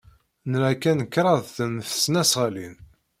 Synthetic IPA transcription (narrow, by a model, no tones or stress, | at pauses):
nɾækːænəkːɾˤɑðθənθə̥snæsʁəlin